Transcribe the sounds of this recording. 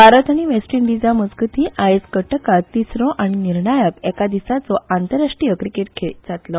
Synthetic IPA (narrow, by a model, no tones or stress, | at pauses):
bʱaɾət̪aɽ̃iʋesʈɾiɳɖid͡zaməd͡zɡt̪iʔajeskəʈəkat̪ːisɾɔʔaɽ̃iniɾɳajəkɛkad̪isat͡sɔant̪əɾaʂʈɾijəkɾikeʈkʰeɭd͡zat̪lɔ